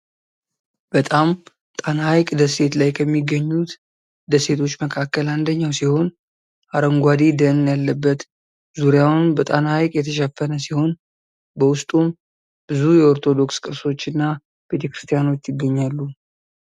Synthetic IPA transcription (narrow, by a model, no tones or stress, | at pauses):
b̥ət̪ʼam | t̪ʼanhajkʼd̪əse̞t̪lajkʰəmːiɡːəɲːut̪ | d̪əse̞t̪ʰo̞t͡ʃːməkʰakːəland̪əɲːawsiho̞n | ʔaɾəŋɡʷad̪id̪əɨnjalːəbːət̪ | zuɾijawnbət̪ʼanhajkʼjɛt̪ʰəʃɛfːənəsiho̞n | bəwʊst̪ʼum | b̥ɨzujɛoɾt̪ʰo̞d̪o̞kskʼɨɾso̞t͡ʃːɨnːa | be̞t̪ʰe̞kɾist̪ʰʼijano̞t͡ʃːjɪɡːəɲːalːu